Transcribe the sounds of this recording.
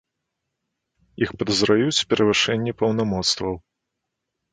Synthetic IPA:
ixpɐd̪ɐzɾajut͡sʲpʲɛɾʔɐvɨʂɛnʲːipɐwnamɔt̪st̪vɐw

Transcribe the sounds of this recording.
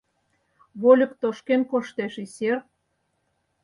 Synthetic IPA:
βolʲə̆kt̪oʃkenkoʃt̪eʃiser

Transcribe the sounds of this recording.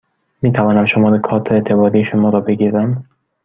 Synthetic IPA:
miːt̪ʰavɒːnamʃomɒɾekʰɒːt̪ʰet̪ʰebɒɾiːʃomɒɾɒbeɡiɾæm

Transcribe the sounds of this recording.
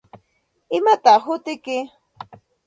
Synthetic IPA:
ɪmat̪ɑχɦʊt̪ɪkɪ

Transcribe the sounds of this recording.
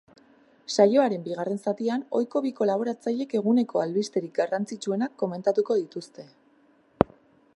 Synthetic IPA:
sajo̞aɾe̞mbiɣ̞are̞nsat̪iano̞jko̞β̞iko̞laβ̞o̞ɾat͡saʎe̞ke̞ɣune̞kʰo̞alβist̪e̞ɾik̚ɡarant͡sit͡ʃue̞nakːo̞me̞nt̪at̪uko̞ðit̪ust̪e̞

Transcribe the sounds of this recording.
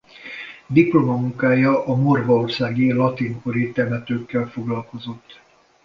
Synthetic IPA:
d̪iplomɒmuŋkaːjɒʔɒmorvɒorsaːɡilɒt̪iŋkoɾit̪ɛmɛt̪øːkːɛlfo̞ɡlɒlko̞zo̞t̪ː

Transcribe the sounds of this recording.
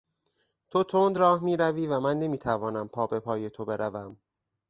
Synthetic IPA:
t̪ʰo̞t̪ʰond̪ɾɒːhmiːɾæviːvæmænːe̞miːt̪ʰævɒːnæmpʰɒːbe̞pʰɒːje̞t̪ʰo̞be̞ɾʔævæm

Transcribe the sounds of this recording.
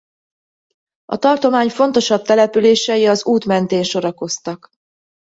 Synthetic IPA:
ɒ̰t̪ɒrt̪o̞maːɲfo̞n̪t̪o̞ʃɒb̚t̪ɛlɛpyleːʃɛjiɒzuːt̪mɛnt̪eːnʃo̞ɾɒko̞st̪ɒk

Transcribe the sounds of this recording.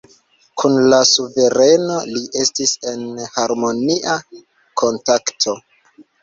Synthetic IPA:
kʰunlasuve̞ɾe̞no̞liʔe̞stise̞nhaɾmo̞niʔa | kʰo̞ntaktʰo̞

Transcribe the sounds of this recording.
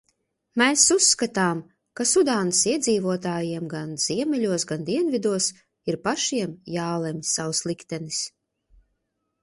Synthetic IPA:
mɛːsusːkat̪aːm | kasud̪aːnsiɛd̪ziːvuɔt̪̬aːjiɛmɡanz̥iɛmʲɛlʲuɔsɡand̪iɛnvid̪uɔs | iɾpaʃiɛmjaːlˠɛmsːawslˠikt̪ɛnis

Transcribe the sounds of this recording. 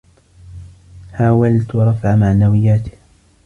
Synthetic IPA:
ħaːwalt̪wɑɾˤɑfʕamaʕnawɪjːaːt̪ɪ̥h

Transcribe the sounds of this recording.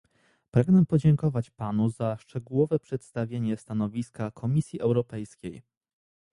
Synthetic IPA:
pɾaɡnɛpɔd͡ʑɛŋkɔvat͡ɕpanuzaʂt͡ʂɛɡuwɔvɛpʂɛt̪st̪avʲjeɲɛst̪anɔvʲiskakʰɔmʲisʲjiʔɛwɾɔpɛjskʲej

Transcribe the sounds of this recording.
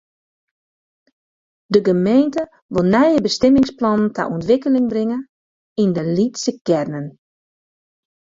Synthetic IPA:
dəɡəmejntə | ʋolˠnɛjəbəstɛmɪŋsplɔnnta̰ʔuntʋɪkəlɪŋbrɪŋə | indəlitsəkɛrnən

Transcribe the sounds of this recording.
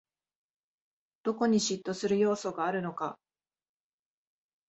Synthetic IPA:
d̪̥o̞ko̞ɲ̟iɕit̪ːo̞sɨɾɯ̟jo̞ːso̞ɡaːɾɯ̟no̞ka

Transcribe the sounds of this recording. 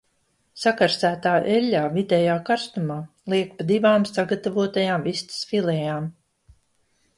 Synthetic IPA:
sakaɾsæːt̪aːʔɛlʲːaːvid̪ʲɛjaːkaɾst̪umaː | lˠiɛk̚pad̪ivaːmsaɡat̪avuɔt̪ajaːmvist̪sfilɛjaːm

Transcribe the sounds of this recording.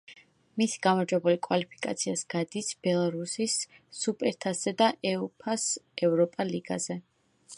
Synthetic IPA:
misɡamaɾd͡ʒwɛbulikʼwalipʰi̥kʼa̰t̪sʰiasɡ̥ad̪isb̥ɛlˠaɾusisːupʼɛɾt̪ʰasɛd̪aʔɛupʰasɛvɾɔpʼaliɡa̰zɛ

